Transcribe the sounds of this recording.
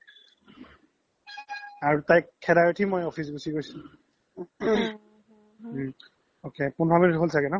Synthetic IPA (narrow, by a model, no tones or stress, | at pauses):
aɹutajkkʰːɛdaɹotʰimojopʰis̬ɡusiɡojsil | okepunpʰaminitɦolsakɛnɔ